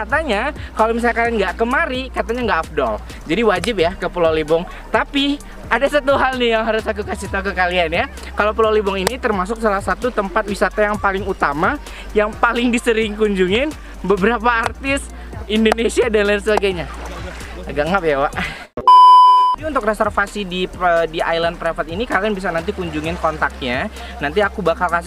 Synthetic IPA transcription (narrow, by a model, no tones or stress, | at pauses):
kat̪aɲakalomis̬alkadanɡaʔkəmaɾikat̪aɲaŋɡaʔːfdɔl | d͡ʒadiwad͡ʒɪp̚jakəpəlalibɔŋ | t̪api | adasat̪uɦalnɪhjaŋɦaɾusakukasit̪akəkalianja | kalopəlalibʊŋinit̪ərmas̬ʊk̚salahsat̪ut̪əmpat̪̚wisat̪ajaŋpalɪŋut̪ama | jaŋpalɪŋdisəɾɪŋkuɲd͡ʒuŋɪn | bəbəɾap̬aːrt̪ɪs | indonesiadanlans̬əbaɡajɲa | aɡaŋɡaʔbewaʔ | apiunt̪ʊk̚resɛrfasidiədia̰jlanpɾafət̪inikalianbis̬anant̪ikuɲd͡ʒuŋɪnkɔnt̪ak̚ɲa | nant̪̬iakubakalkas